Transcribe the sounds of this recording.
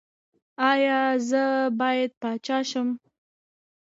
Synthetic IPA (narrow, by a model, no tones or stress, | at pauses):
ɑjɑzəbɑjad̪̚pɑt͡ʃɑʃəm